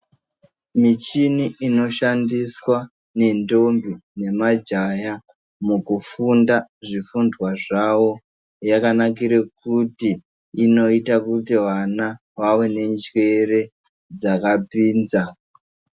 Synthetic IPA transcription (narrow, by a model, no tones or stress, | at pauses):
mit͡ʃiniʔino̞ʃandiswa | ne̞ndo̞mbine̞mad͡ʒaja | mukufundaʐifundwaʐawo̞ | jakanak̬iɾekutiː | no̞itakutiwana | wawe̞ne̞nd͡ʒwe̞re̞ | d͡zakapiːnza